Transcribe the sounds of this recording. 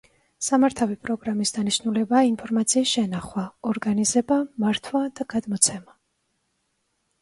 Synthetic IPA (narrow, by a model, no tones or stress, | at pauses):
samaɾt̪ʰavipʼɾɔɡɾamisd̪aniʃnulɛbaːinpʰɔɾmat̪sʰiːsʃɛnaχwaɔɾɡanizɛbamaɾt̪ʰwad̪̥aɡ̥ad̪mɔt̪sʰɛma